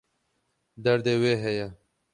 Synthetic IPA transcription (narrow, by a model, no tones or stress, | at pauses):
d̪ɐɾd̪eweːɦeja